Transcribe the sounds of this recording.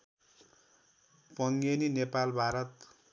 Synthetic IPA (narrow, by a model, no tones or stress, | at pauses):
pʌŋɡeninepalbʱaɾʌt̪